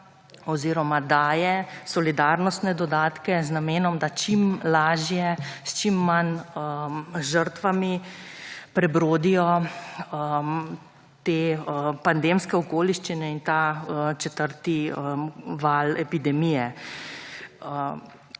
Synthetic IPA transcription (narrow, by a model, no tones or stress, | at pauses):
ɔziːɾɔmad̪aːjɛsɔlid̪aːɾnɔst̪nɛd̪ɔd̪aːt̪kɛznameːnɔmd̪at͡ʃimlaːʒjɛst͡ʃimːanəʒəɾt̪ʋami | pɾɛbɾoːd̪ijɔ | ə | t̪eːəpand̪emskɛɔkoːliʃt͡ʃinɛint̪aət͡ʃɛt̪əɾt̪iəʋaːlɛpid̪ɛmijɛ | ə